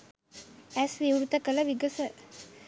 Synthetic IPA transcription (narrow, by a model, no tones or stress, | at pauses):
æsʋiwɾut̪əkələʋiɡəsə